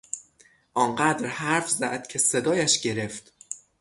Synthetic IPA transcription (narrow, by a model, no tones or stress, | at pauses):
ʔɒːnɢæd̪ɾhæɾfzæʔd̪̥̚cʰe̞se̞d̪ɒːjæʃɟe̞ɾe̞ft̪